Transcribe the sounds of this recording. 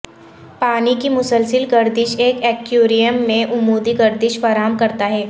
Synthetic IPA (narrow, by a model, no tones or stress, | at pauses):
paːnikimʊsəlsɪlɡɐɾd̪ɪʃeːkɛːkjoːɾijəmːẽʔʊmuːd̪iɡɐɾd̪ɪʃfaːɾaːɦəmkɐɾt̪aɦɛː